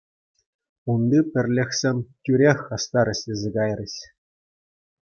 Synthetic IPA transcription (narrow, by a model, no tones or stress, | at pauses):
und̪ɯpʲɘ̆rʲlʲɘ̆xʲsʲĕmʲtʲyɾʲexʲɑst̪ɑɾʲɘ̆ɕʲlʲezʲĕɡɑjrʲɘ̆ɕ